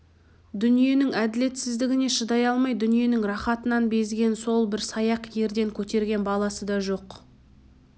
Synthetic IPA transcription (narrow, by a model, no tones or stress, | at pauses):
d̪ʏnije̞nɪŋæd̪ɪle̞t̪sɪzd̪ɪɡʲɪne̞ʃəd̪ɑjɑlˠmɑjd̪ʏnije̞nɪŋrɑχɑt̪ənɑnbe̞zɡʲe̞nso̞lˠbɪɾsɑjɑqje̞ɾd̪e̞ŋkʲʰɵt̪e̞ɾɡʲe̞nbɑlˠɑsəd̪ɑʒo̞q